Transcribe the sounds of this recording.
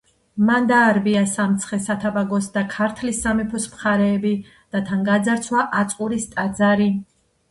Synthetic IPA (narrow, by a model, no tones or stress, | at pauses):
mand̪aːɾbiasamt̪sʰχɛsat̪ʰabaɡɔsd̪akʰaɾt̪ʰlisamɛpʰɔsmχaɾɛːbi | d̪̥at̪ʰaŋɡad̪zaɾt̪sʰwaʔat̪sʼqʼuɾist̪ʼad̪zaɾi